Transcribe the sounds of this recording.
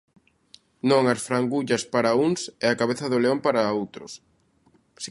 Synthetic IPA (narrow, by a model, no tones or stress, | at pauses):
nõŋɐsfɾaŋɡuʎɐspaɾɐuŋsɛakaβeθɐðoleõmpaɾɐowt̪ɾʊ̰s | s